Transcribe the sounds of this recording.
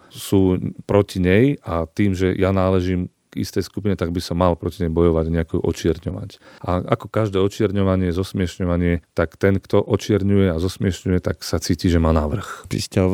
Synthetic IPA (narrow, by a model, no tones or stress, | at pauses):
suːpɾɔciɲɛjat̪iːmʒɛjanaːlɛʒiːm | ɡ̥ḭst̪ɛjskupiɲɛt̪aɡ̚bisɔmːalpɾɔciɲɛjbɔjɔʋaɟɲɛakɛṵʔɔ̰t͡ʃɪɛɾɲɔʋa̰caʔa̰kɔkaʒd̪ɛːɔt͡ʃɪɛɾɲɔʋaɲɪɛzɔsmɪɛʃɲɔʋaɲɪɛt̪akt̪ɛnkt̪ɔʔɔt͡ʃɪɛɾɲujɛazɔsmɪɛʃɲujɛt̪aksat͡siːciʒɛmaːnaːʋr̩xpḭsca